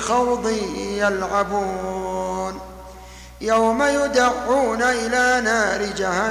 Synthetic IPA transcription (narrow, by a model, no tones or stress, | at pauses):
xɑwd̪ˤɨjalʕabuː | n | jawmajʊd̪aʕːuːnaʔɪlaːnaːɾɪd͡ʒaha